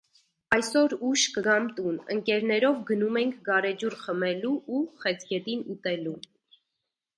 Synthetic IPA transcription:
ɑjsɔɾuʃkəɡɑmt̪unə̰ŋkɛɾnɛɾɔvɡənumɛŋkʰɡɑɾɛd͡ʒuɾχəmɛluʔːχɛt͡sʰɡɛt̪inut̪ɛlu

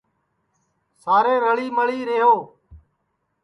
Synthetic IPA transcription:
saːɾeːɾəɭiːməɭiːɾeɦoː

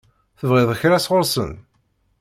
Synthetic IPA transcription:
θəvʁɪðˤəçɾæsʁʊɾˤsə̰n

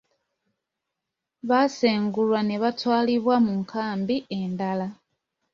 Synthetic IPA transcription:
βaseːŋɡulwane̞βatwaːliβwamuŋkʰaːmbie̞ndala

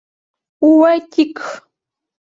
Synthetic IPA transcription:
ʊwajt͡ʃɪk

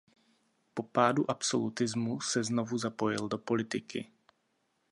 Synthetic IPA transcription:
po̞paːduʔapso̞̰lut̪ɪzmusɛznovuzapo̞jɪldopo̞lɪt̪ɪkɪ̰

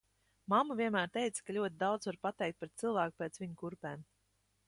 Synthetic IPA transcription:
mamuviɛnmæːɾt̪ɛjt̪sḁkalʲuɔt̪̬ʲɪd̪awd̪zvaɾpat̪ɛjkt̪pɾɛt̪sɨlˠvæːku̥pʲeːt̪sviɲkuɾpɛːm

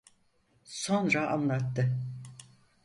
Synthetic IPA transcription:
sonɾaa̰nlˠat̪ːɯ

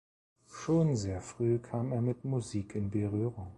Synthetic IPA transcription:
ʃoːnzeːɐfʁ̥yːkʰaːmeːɐmɪtmuziːkʰɪnbəʁyːʁʊŋ

